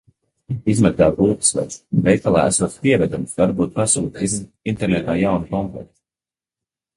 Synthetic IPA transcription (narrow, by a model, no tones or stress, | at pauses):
izmɛɡ̚d̪aːbulˠk̪svɛ̰ɾsnvɛjkalˠa̰ːæ̰sɔːt̪spiɛvɛd̪umsvaɾbuːt̪̚pasuːt̪ | int̪ɛɾnɛt̪aːjawnikɔmplɛ̰t̪